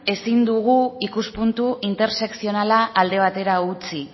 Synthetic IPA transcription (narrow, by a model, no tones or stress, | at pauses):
e̞sind̪uɣ̞uikuspunt̪uʔint̪e̞ɾse̞ksio̞nalaʔːld̪e̞β̞at̪e̞ɾaut͡si